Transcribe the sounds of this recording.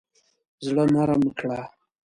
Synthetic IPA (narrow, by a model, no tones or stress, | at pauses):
zɽəmaɾaməkʰɽa